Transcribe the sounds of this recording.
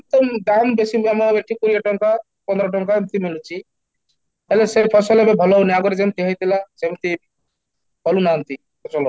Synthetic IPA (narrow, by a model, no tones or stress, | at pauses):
k̚t̪ɔmɖ̪ambesimamɔbeʈʰːikuɾijaʈɔŋka | pɔnd̪ɾɔʈ̬ɔŋkaemt̪imilut͡ʃʰi | ɦelesepʰɔsɔlebebʱɔlɔwniaɡɔɾd͡ʒemt̪iɦəjt̪ilasemt̪i | pʰɔlunant̪i | pʰɔsɔlɔ